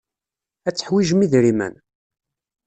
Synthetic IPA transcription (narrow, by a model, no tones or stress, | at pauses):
æt͡sːə̥ħwiʒmiðɾimæ̰n